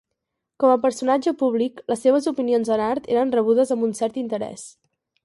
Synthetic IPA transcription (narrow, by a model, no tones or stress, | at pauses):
kɔməpəɾsunad͡ʒəpuβlikləsːeβ̞əzupinionzənaɾt̪eɾənrəβ̞uðəzəmbunsɛɾt̪int̪əɾɛ̰s